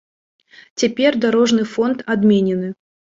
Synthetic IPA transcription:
t͡sʲɛpʲerʲd̪aɾɔʐnɨfɔnt̪ad̪mʲenʲɪnɨ

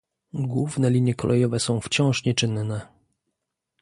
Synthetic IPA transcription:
ɡwuvnɛlʲiɲjɛkɔlʔɛjɔvɛsɔ̃w̃ft͡ɕɔ̃w̃ʂɲɛt͡ʂɘnnɛ

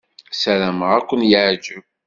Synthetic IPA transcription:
sælæməʁækʷːənjəʕd͡ʒəv

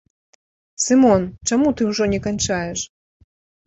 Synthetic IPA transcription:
sɨmɔnt͡ʂamut̪ɨwʐɔnʲɛkanʲt͡ʂajɛʂ

